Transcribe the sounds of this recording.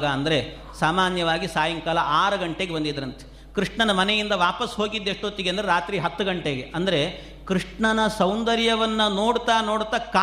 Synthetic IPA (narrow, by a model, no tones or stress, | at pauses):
ɡɐɐnd̪ɐɾe̞ | saːmaːnjɐʋaːɡisaːjɐŋkaːlɐʔaːɾɐɡɐɳʈe̞ːɡebɐnd̪id̪ɐɾɐnt̪e̥ | kɾiʂɳɐnɐmɐnejind̪ɐʋaːpɐsɦo̞ːɡid̪ːeʂʈoːt̪ːiɡeɐnd̪ɾeɾaːt̪ɾiɦɐt̪ːuɡɐɳʈe̞ːɡeɐnd̪ɐɾe | kɾiʂɳɐnɐsɐwnd̪ɐɾjɐʋɐnːɐnoːɽt̪aːno̞ːɽt̪ːaka